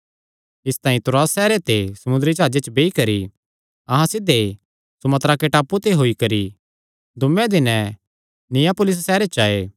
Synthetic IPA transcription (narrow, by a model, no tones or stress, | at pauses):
ɪst̪ãːĩt̪ʊɾaːsːɛːɾet̪esɐmʊ̃nd̪ɾit͡ʃaːd͡ʒet͡ʃbeːikɐɾi | ɐɦãsɪd̪e | sʊmɐt̪ɾakeʈaːput̪eɦoːikɐɾi | d̪ʊmɛ̃d̪ɪnɛ̃ | nɪjapʊlɪs̬ːɛːɾet͡ʃaːeː